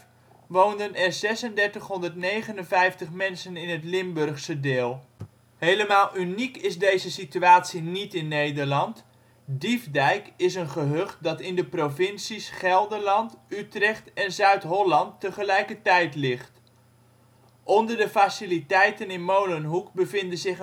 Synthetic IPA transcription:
ʋowndənɛrzɛsəndɛɹtəχɦɔndərtnejχənənvɛjftəχmɛnsənɪnətlɪmbørχsədɪːlˠ | hejləmaːlˠʔynikɪzdejzəsityaːtsinitɪnːejdəɹlɑnt | divdɛjkɪsənχəɦøχt̚dɑtɪndəprovɪnsisχɛlˠdəɹlɑntytrɛχtɛnzœɥtɦɔlɑntːəχəlɛjkətɛjtlɪχt | ʔɔndəɹdəfasilitɛjtənɪnmowlənɦukbəvɪndənzɪχ

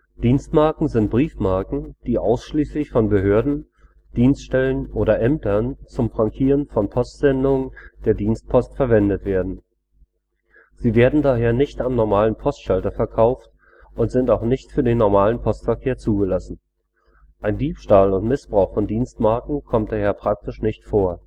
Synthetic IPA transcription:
d̥iːnstmaɐkŋ̩zɪnt̚b̥ʁiːfmaɐkŋ̩d̥iːʔaʊsʃliːslɪçfɔnbəɦøːɐdn̩ | d̥iːnstʃtɛlənʔoːɾɐʔɛmtɐnt͡sʊmfʁ̥aŋkʰiːʁənfɔnpʰɔstz̥ɛndʊŋənd̥eːɐdiːnst̚pʰɔstfɛɐvɛndətv̥eːɐdn̩ | z̥iːveːɐdn̩daːɦeːɐnɪçtamnɔɐmaːlənpʰɔstʃaltɐfɛɐkʰaʊft | ʔʊntz̥ɪntaʊxnɪçtfyːɐdeːnːɔɐmaːlənpʰɔstfɛɐkʰeːɐt͡suːɡəlasn̩ | ʔaɪndiːpʃtaːlʊntmɪsb̥ʁaʊxfɔndiːnstmaɐkŋ̩kʰɔmt̚d̥aːheːɐpʁ̥ak̚tɪʃnɪçtfoːɐ

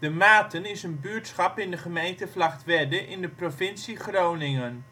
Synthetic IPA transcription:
d̥əmaːtənɪsənbyːɹtsχɑpɪndəχəmejntəflɑχtʋɛdəʔɪndəprovɪnsiχrownɪŋən

